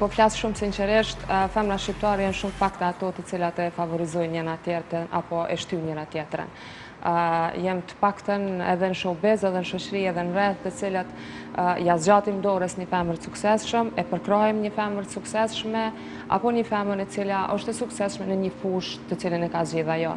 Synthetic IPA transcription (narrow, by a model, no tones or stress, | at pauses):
pɔflasʃumsinsɛɾiʃt̪fɛmɾaʃcip̚t̪aɾɛjɛnʃumfakt̪aat̪ɔt̪ət͡silat̪ɛfavɔɾizɔjɲɛnat̪jɛt̪əna̰pɔʔɛ̰ʃt̪yɲɛnat̪jɛt̪ɾə̰n | jɛmt̪ə̥pakt̪ənɛ̰ðɛnəʃɔbɛzɛðɛnəʃɔt͡ɕəɾiɛðɛnɾɛθt̪ət͡silat̪ | jazd͡ʑat̪imd̪ɔɾəsɲəfɛməɾt̪əsuksɛsʃəmɛpəɾkɾaɛmɲəfɛməɾsuksɛsʃmɛ | a̰pɔɲəfɛməɾɛt͡silaʔɔʃt̪ɛsuksɛsʃmɛnəɲəfuʃt̪ːət͡silənɛkazd͡ʑiðajɔ̰